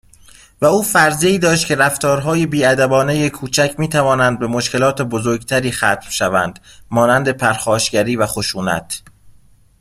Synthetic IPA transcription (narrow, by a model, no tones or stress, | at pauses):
væuːfæɾzeiːd̪ɒːʃ̬t̪̚cʰe̞ɾæft̪ɒːɾɦɒːjebiːæd̪æbɒːne̞jekʰuːt͡ʃʰæcʰmiːt̪ʰævɒːnænd̪̚be̞mo̞ʃke̞lɒːt̪ʰebozoɾɡt̪ʰæɾiːxæːt̪mʃævæ̰nd̪̥ | mɒːnænd̪e̞pʰæɾxɒːʃɟæɾiːvæxo̞ʃuːnæ̰t̪ʰ